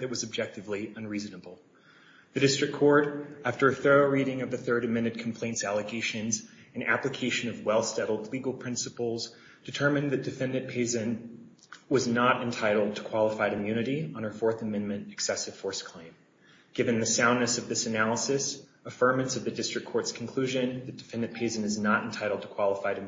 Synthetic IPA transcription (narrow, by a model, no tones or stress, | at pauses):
ðɨt̚wʌzɨb̚d͡ʒɛk̚tɨvliə̃nɹiznəbl̩ˠ | ðɨdɪstɹ̥ɨkʰɔɹɾæftə˞ɨθɜ˞oʊɹiɾɪ̃ŋʌvðɨθɜ˞ɾɨmɛ̃nɨd̚kʰm̩pʰl̥ẽɪ̃ntsælˠɨɡeɪʃɨ̃nzɨ̃næ̰plɨkʰeɪʃɨ̃nʌvwɛlˠsɛɾl̩ˠdˡliɡl̩ˠpʰɹ̥ɪ̃nsəpl̩ˠz | d̥ɨtʰɜ̃˞mɨ̃nðɨt̚d̥ɨfɛ̃ndɨ̃d̚pʰeɪzɨ̃n | wʌznəɾɨ̃ntʰaɪɾl̩ˠd̚tʰə̥kʰw̥ɑlˠəfaɪɾɨ̃mjʉnɨɾiə̃nə˞fɔɹθɨmɛ̃nmɨ̃ntɨksɛsɨv̥fɔɹskʰl̥ẽɪ̃m | ɡ̥ɪvɨ̃nðɨsãʊ̃nːɨsʌvðɪsɨnælˠəsɨs | əfɜ̃˞mɨ̃nsʌvðɨdɪstɹ̥ɨkʰːɔɹtskʰn̩kʰl̥ʉʒɨ̃nðɨt̚d̥ɨfɛ̃ndɨ̃n̚pʰeɪzɨ̃nɨznəɾɨ̃n̩tʰaɪɾl̩ˠd̚tʰə̥kʰw̥ɑlˠəfaɪɾɨ̃m